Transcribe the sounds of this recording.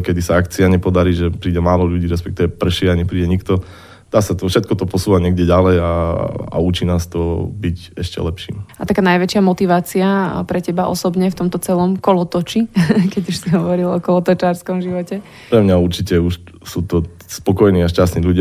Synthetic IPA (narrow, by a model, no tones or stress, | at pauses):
kɛd̪isaakt͡siaɲɛpɔd̪aɾiːʒɛpɾiːɟɛmaːlɔʎuɟiːɾɛspɛk̚t̪iːʋɛpr̩ʃɛaɲɛpɾiːɟɛɲikt̪ɔ | d̪̥aːsat̪ɔfʃɛt̪̚kɔt̪ɔpɔsuːʋaɲɪɛɡɟɛɟalɛjaa̰uːt͡ʃiːnaːst̪ɔbiɟɛʃcɛ̰lɛpʃḭːmat̪akaːnajʋɛt͡ʃɪamɔt̪iʋaːt͡siapɾɛcɛbaʔɔ̰sɔbɲɛft̪ɔmt̪ɔt͡sɛlɔmkɔlɔt̪ɔt͡ʃikɛɟuʃsiɦɔʋɔɾilɔkɔlɔt̪ɔt͡ʃaɾskɔmʒiʋɔcɛ | pɾɛmɲauɾt͡ʃicɛuʃ | suːt̪ɔ | spɔkɔjniːaʃcast̪niːʎuɟa